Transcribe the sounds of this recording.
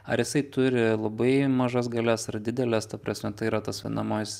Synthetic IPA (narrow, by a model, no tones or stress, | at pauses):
ɐɾjɪsɐɪt̪ʊɾʲɪlˠɐbɐɪmɐʒɐs̬ɡɐlʲɛsɐrd̪ʲɪd̪ʲɛlʲɛst̪ɐpɾɐsʲmʲɛt̪ɐɪiɾɐt̪ɐsʋʲɐɪnɐmoːjsʲ